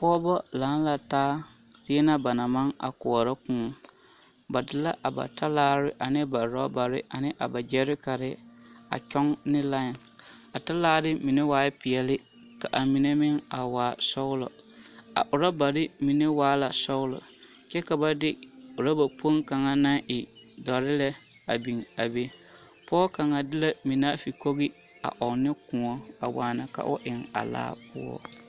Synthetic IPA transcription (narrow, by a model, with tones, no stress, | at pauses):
pɔ˦bɔ˦laː˨˦n˦la˨taː˦ | tɪ˦ɛ˦na˦ba˨na˨ma˦ŋa̰˨kʊ˨ɔ˨ɾa˦kũː˦˨ | ba˨dɪ˦la˦ʔa˨ba̰˨ta˦laː˦ɾɪ˦ʔa˨nɪ˦ba˨ɾɔ˦ba˨ɾɪ̰˦ʔa˨nɪ˦ʔa˨ba˨d͡ʒɛ˦ɾɪ˦ka˨ɾɪ˦a̰˨t͡ʃɔ˦ŋnɪ˦la˦˨ | a˨ta˦laː˦ɾɪ˦mi˨nɪ˦waː˦pɪ˨ɛ˨lɪ˦ | ka˨ʔa˨mi˨ne˦mɪ˦ŋa˨waː˨˦˨sɔ˦ʊ˦lɔ̰˨a̰˨ʔʊ˨ɾa˦ba˨ɾɪ˦mi˨ne˦waː˦la˨sɔ˦ʊ˦lɔ̰˨ | t͡ʃɛ˦ka˨ba˦dɪ˦ʊ˨ɾa˦ba˨po˦nka˨ŋa˦na˦ŋʔɪ˨dɔ˨ɾɪ˦lɛ˦ | a˨bi˨ŋa˨be˦ | pɔ˦ka˨ŋa˨dɪ˦la˦mi˨na˦fi˨ko˦ɣɪ˦ | a̰˨ʔɔ˨nɪ˦kʊ̃˨ŋɔ˦a̰˨waː˨na˨ka̰˨ʔʊ˦ʔɪ˨ŋa̰˨la̰ː˦pʰʊ̰˦ɔ̰˦